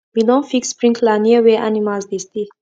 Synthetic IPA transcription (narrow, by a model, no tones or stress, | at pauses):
widɔ̃nfikspɹĩŋklaniəweʔanimalsd̪ist̪i